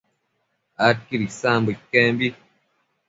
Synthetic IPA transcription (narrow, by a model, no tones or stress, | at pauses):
akiɾisãmbəkɛ̃mbi